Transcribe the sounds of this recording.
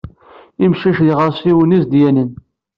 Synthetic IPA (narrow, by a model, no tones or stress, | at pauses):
imʃiʃðiʁəɾˤsiwənizd̪jænən